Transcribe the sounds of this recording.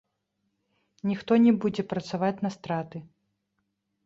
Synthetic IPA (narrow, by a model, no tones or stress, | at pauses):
nʲixt̪ɔnʲɛbud͡zʲɛpɾɐt̪savat͡sʲnɐst̪ɾat̪ɨ